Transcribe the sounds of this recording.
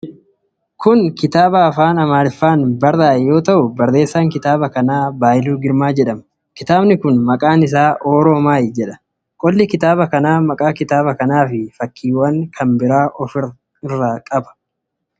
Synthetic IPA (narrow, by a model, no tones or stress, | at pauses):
kʰʊŋkɪt̪aːbɐːfaːnɐmaːɾɪfːaːnbɐrːaːjo̞ːt̪ɐʔʊbɐrːe̞ːsːaːŋkɪt̪aːbɐkɐnaːbaːʔɪluːɡɪɾmaːd͡ʒɛᶑɐm | kɪt̪aːbnɪkʊnmɐkʼaːnɪs̬aːʔoːɾo̞ːmaːjɪd͡ʒɛᶑɐ̥ | kʼɔlːɪkɪt̪aːbɐkɐnaːmɐkʼaːkɪt̪aːbɐkɐnaːfɪfɐkʰːiːwɐŋkʰɐmbɪɾaːʔɔfɪ | ɪrːaːkʼɐbɐ̥